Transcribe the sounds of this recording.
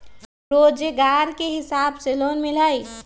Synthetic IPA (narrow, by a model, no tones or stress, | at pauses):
ɾoːd͡ʒɡaːɾkeɦɪsaːbseloːnmɪlaːi